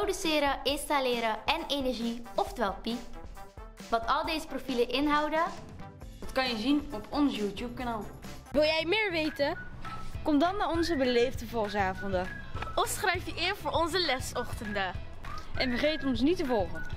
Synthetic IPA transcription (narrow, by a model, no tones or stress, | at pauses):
rowdysɪːɾəʔɪnstalɪːɾəɛnejnɛɹʒiɔfdʋɛlˠpi | ʋɑtɑlˠdejzəprofiləʔɪnɦɑwdə | ɑtkɑnjəzinɔpʰɔnsjutjup̚kanaːlˠʋɪlˠjɛjmɪːɹʋejtə | kɔmdɑnːaːɔnzəbəlejvdəvʊːsaːvɔndə | ɔfsχrɛjfjəʔɪnvʊːɹɔnzəlɛsɔχtəndə | ʔɛnbəχejtɔnsnitəvɔlˠχən